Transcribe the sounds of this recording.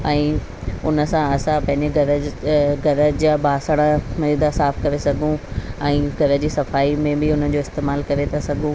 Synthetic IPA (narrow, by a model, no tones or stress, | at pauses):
ɛ̃ː | ʊnə̆sãɐsãpɐ̃ɦɪ̃ɲd͡ʑeɡɐɾəɡʱɐɾəd͡ʑaːbaːsəɽ̃əmɐiːd̪asaːfkɐɾesɐɡʱũɛ̃ːɡʱɐɾəd͡ʑiːsɐfaːimẽbɪʊn̤ən̆d͡ʑoːɪst̪eːmaːlkɐɾet̪ʰasɐɡʱũ